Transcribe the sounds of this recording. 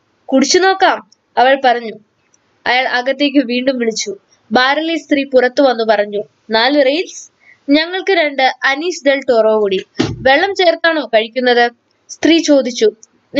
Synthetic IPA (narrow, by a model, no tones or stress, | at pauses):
kuɽit͡ɕːuno̞ːkːaːm | ɐʋɐɭpɐrɐɲːu | ɐjaːɭɐɣɐt̪ːe̞ːk̬ʲːɨʋiːɳɖumʋiɭit͡ɕːu | baːɾɐlist̪riːpurɐt̪ːɨʋɐnːupɐrɐɲːu | naːlɨrejls | ɲɐŋːɐɭkɨɾe̞ɳɖɨɐniːsd̪elʈoːroːkuːɽiʋe̞ɭːɐmt͡ɕe̞ːrt̪aːɳo̞ːkɐɻikʲːunːɐðɨ | st̪riːt͡ɕo̞ːd̪it͡ɕːu